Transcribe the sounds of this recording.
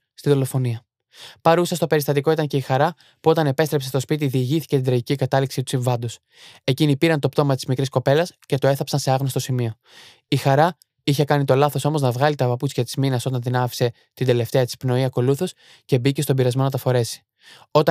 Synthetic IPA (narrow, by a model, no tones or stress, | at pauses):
st̪iðo̞lo̞fo̞niɐ | pɐɾusɐst̪o̞pe̞ɾist̪ɐt̪iko̞it̪ɐɲce̞ixɐɾɐ | puo̞t̪ɐne̞pe̞st̪ɾe̞psest̪o̞spit̪̬iðiːʝiθi̥ce̞t̪ind̪ɾɐʝicikɐt̪ɐliksit̪u̥siɱvɐnd̪os | e̞cinipiɾɐnt̪o̞pt̪o̞mɐt̪i̥zmikɾisko̞pe̞lɐsce̞t̪o̞e̞θɐpsɐnse̞ɐɣnost̪o̞simio̞ | ixɐɾɐ | içe̞kɐnit̪o̞lɐθo̞so̞mo̞znɐvɣɐlit̪ɐpɐput͡sçɐt̪i̥zminɐso̞t̪ɐnt̪inɐfi̥se̞ | t̪ind̪e̞le̞ft̪e̞ɐt̪i̥spno̞iɐko̞luθo̞s | ce̞bice̞st̪obiɾɐzmo̞nɐt̪ɐfo̞ɾe̞si̥ | o̞t̪ɐ